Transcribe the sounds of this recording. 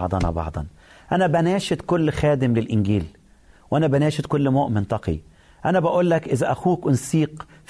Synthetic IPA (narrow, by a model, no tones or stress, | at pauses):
ʕd̪ˤɑnɑ̰bɑ̰ʕd̪ˤɑ̰n | ʔænæbænæːʃɪt̪kʊlːxæːd̪ɪmlɪlʔɪnɡiːl | wʔænæbænæːʃɪt̪kʊlːmoːʔmɪnt̪ˤɑqḭ | ʔænæbæʔuːlːækʔɪzæʔæxuːkwɪnsiːq | f